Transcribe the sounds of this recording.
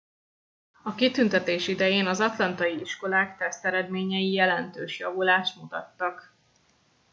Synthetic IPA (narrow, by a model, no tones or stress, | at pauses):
ɒkit̪ynt̪ɛt̪eːʃid̪ɛjeːnɒzɒt̪lɒnt̪ɒjiiʃko̞laːkt̪ɛst̪ɛɾɛd̪meːɲɛjijɛlɛnt̪øːʃjɒvulaːʃt̪mut̪ɒ̰t̪ːɒk